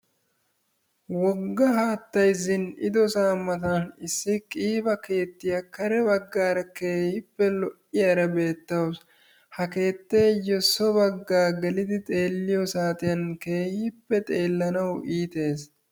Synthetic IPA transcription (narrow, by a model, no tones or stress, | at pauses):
wɔɡːɐɦaːt̪ːɐjzɪnɪd̪ɔsaːmːɐt̪anɪsːɪkʼiːbɐke̞ːt̪ːɪjɐkɐɾɛbɐɡːaːɾɐke̞ːhɪpːɛlɔʔɪjaɾɐbe̞ːt̪ːɐws | hɐke̞ːt̪ːeːjɔsɔbɐɡːaːɡɛlɪd̪ɪt̪ʼe̞ːlːɪjɔsaːt̪ɪjɐnke̞ːhɪpːɛt̪ʼe̞ːlːɐnɐwiːt̪e̞ːs